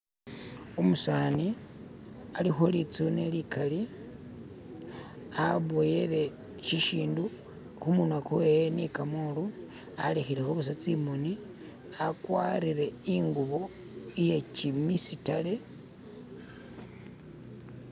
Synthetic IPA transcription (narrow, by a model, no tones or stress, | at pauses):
umusaːni | alixo̞lit͡sunelikali | aβojele̞ | ʃiʃiːndu | humunakowejenikamolu | alexile̞xuβus̬at͡simoni | akwa̰ɾiɾe̞iŋɡuβo̞ | ije̞t͡ʃimisitale̞